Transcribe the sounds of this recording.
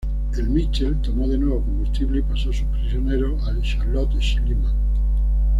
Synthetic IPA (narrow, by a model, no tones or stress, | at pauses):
e̞lmit͡ʃelt̪o̞mo̞ðe̞nwe̞β̞oko̞mbust̪iβleipasosupɾisjone̞ɾo̞ʔaʃaɾlot̪ʃilima